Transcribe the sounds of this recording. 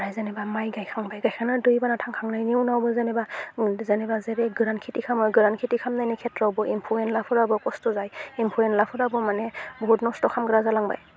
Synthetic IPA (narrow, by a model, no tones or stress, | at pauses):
ɾajzanebamajɡajkʰaŋbajɡajkʰanɯdujbanatʰaŋkʰaŋnajniunawbɔzanebazanebazeɾeɡɯɾantkʰitikʰamɯɡɯɾankʰitikʰamnajnikʰetɾawbɔʔimpʰuenlapʰɯɾabɔkɔstɔzajimpʰuɾenlapʰɯɾabɔmanebʱɔdnɔstɔkʰamɡɯɾazalaŋba̰j